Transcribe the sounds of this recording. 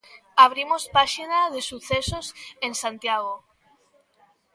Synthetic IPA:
aβ̞ɾimospaʃinaðesuθesosensant̪jaɣ̞o

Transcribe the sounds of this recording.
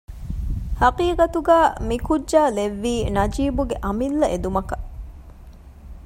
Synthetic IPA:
hɐqiːqɐt̪uɡæːmikudʒaːleʋːiːnɐd͡ʒiːbuɡeʔɐmilːɐʔed̪umɐkɐ̥

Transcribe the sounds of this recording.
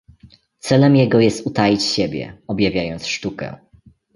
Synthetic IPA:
t̪sɛlɛmjɛɡɔjɛst̪ut̪ajit͡ɕɕɛbʲjɛ̰ɔbʲjavʲjajɔnt̪sʂt̪ukɛ̰

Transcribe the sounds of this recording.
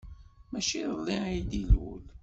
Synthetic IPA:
mæʃiəðˤːid̪ilwṵl

